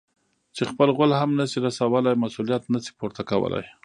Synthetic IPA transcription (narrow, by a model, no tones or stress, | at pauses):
t͡ʃexpəlɣʊlhamnasiɾasawəlajmasulijat̪nasi̥poɾt̪akawə̰la̰j